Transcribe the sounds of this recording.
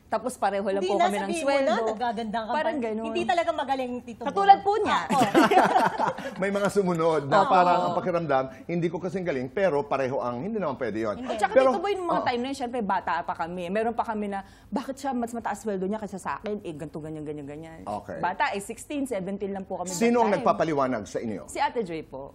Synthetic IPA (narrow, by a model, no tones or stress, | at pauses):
t̪aːpospɐɾɛːɦolɐŋpʊkɐmɛnɐŋswɛld̪oɡaːɡɐnd̪akɐpaːɾɐŋɡɐnonnd̪it̪ɐlɐɡamɐɡɐlɪŋt̪it̪kɐt̪uːlɐd̪̚poɲa | mɐjmɐŋasʊmʊnod̪̚nopaːɾɐɐpɐkɪɾɐmd̪amhɪnd̪iːkokɐsɛŋɡɐlɪŋpɛːɾo̞pɐɾɛːɦoʔɐŋhɪnd̪iːnɐmanpwɛd̪ɛjo̰nt͡ʃɐkapɛiɾot̪ʊbojnʊŋmɐat̪ajmnɐjonʃɛmpɾɛbaːt̪aʔpɐkɐmɛmɛːɾo̞npɐkɐmɛnɐ | baːkɪt̪ʃamɐsmɐt̪ɐʔaswɛld̪oɲakɐsasɐʔa̰ːkɛnʔɛɡɐnt̪uːɡɐnjɐŋɡɐɲɐŋɡɐɲanʔo̰kḛjbaːt̪ɐʔɛsɪkst̪insɛːvɛnt̪inlɐŋpʊkɐmɛsiiːnoʔɐŋnɐɡpaːpɐlɪwaːnɐ̰ɡsɐʔɪnjo̰sɪʔat̪ɛd͡ʒɛjpo̰ʔ